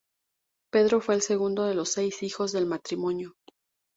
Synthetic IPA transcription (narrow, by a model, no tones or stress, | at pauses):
pe̞ðɾo̞fwe̞ːlse̞ɣund̪oðe̞lo̞sːe̞jsixo̞zðe̞lmat̪ɾimõ̞njo̞